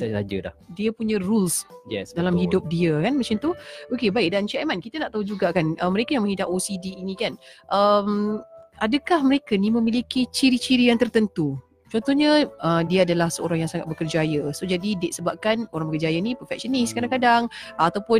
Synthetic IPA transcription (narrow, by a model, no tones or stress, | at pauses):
saad͡ʒə̰da̰hdiəpuɲərulsjɛ̰sdalamhidʊp̚diəkanmat͡ʃɪnt̪uokebaɪʔ̚dant͡ʃiamankit̪ənaʔt̪aɦud͡ʒuɡakanəməɾekajaŋmə̃ŋɦidaʔosidiːnikanʔəmʔadəkahməɾekanimə̃milikit͡ʃiɾit͡ʃiɾijaŋt̪ərt̪ənt̪u | t͡ʃɔnt̪ɔhɲəʔədiəadalahsəoɾaŋjaŋsaŋat̪̚bəkərd͡ʒajəsod͡ʒadideʔ̪̚səbap̚kanoɾaŋbəkərd͡ʒajanipərfɛk̚ʃəniskadaŋkadaŋat̪awpʊn